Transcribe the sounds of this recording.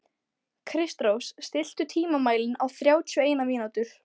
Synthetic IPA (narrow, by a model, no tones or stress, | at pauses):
kʰɾɪst̪ɾowsst̪ɪl̥t̪ʏt̪ʰiːmamaːjlɪnawθɾjaːwt̪ʰʏeːjnamiːnawt̪ʏɾ̥